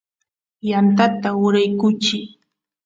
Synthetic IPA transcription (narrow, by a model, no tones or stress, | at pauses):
jant̪at̪aʊɾajkʊt͡ʃɪ